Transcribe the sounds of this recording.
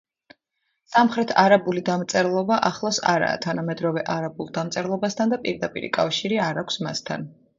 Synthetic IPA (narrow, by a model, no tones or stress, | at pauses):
samχɾɛt̪ʰaɾabulid̪amt̪sʼɛɾlˠɔbaʔaχlˠɔsa̰ɾa̰ːt̪ʰanamɛd̪ɾɔvɛʔaɾabulˠd̪amt̪sʼɛɾlˠɔbast̪ʰand̪apʼiɾd̪apʼḭɾḭkʼafʃiɾiaɾakʷʰsmast̪ʰa̰n